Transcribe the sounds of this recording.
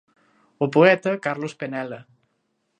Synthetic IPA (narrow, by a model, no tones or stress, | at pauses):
opoɛt̪ɐkaɾlospenɛlɐ